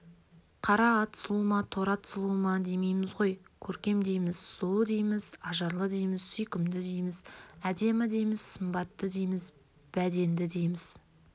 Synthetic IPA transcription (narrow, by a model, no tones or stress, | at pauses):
qʰɑɾɑːt̪slˠumɑt̪ʰo̞ɾɑt̪slˠumɑd̪e̞jme̞jmɪzʁo̞jkʲʰɵɾkʲe̞md̪e̞jmɪzsulˠd̪ejmɪzɑʒɑɾlˠəd̪ejmɪzsʏjkʲɪmd̪ɪd̪ejmɪzæd̪e̞mɪd̪e̞jmɪz̥səmbɑt̪ːəd̪ejmɪz | b̥æd̪e̞nd̪ɪd̪e̞jmɪz̥